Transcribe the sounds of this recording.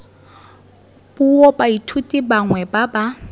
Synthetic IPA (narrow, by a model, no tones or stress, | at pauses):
b̥uɔbaitʰutʼibaŋwɛbaba